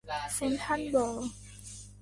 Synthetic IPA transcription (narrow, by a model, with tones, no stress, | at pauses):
se˧˦nt̪ʰa˥nbɔ˨˩